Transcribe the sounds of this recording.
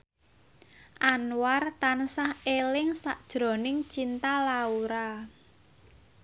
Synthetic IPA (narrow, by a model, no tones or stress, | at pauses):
ʔanwart̪ansahelɪŋsaʔd̥ʒ̥ɾɔ̤nɪŋt͡ʃint̪alauɾa